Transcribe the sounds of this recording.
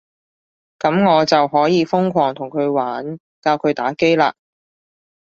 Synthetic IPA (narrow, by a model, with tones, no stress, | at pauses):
kɐ˨˥mŋɔː˨˧t͡sɐ˨wɦɔː˨˥jiː˨˧fʊ˥ŋkʷʰɔː˨˩ŋt̪ʰʊ˨˩ŋkʰɵ˨˧ɥwaː˨˥n | kaː˧wkʰɵ˨˧ɥt̪aː˨˥ke˥jla̰ː˧